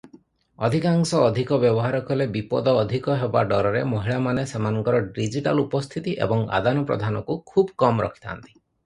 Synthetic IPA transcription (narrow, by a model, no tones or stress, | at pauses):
ɔd̪ʱikaŋsɔːd̪ʱikɔbjɔbɔɦaɾɔkʰɔlebipɔd̪ɔːd̪ʱikɔɦebaɖɔɾɔɾemoɦiɭamanesemanɔŋkɔɾɔɖid͡ʒiʈa̰lupɔst̪ʰit̪iʔḛbɔŋa̰d̪anɔpɾɔ̰d̪ʱanɔkukʰubkɔmɾɔ̰kʰi̥t̪ʰa̰nt̪i̥